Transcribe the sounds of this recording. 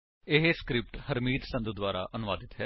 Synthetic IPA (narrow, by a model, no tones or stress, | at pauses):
ɪɦeːskɾɪp̚ʈhəɾmiːt̪sə̃nd̪ud̪waːɾa̰ːʔənʊʋaːd̪ɪt̪ɦɛː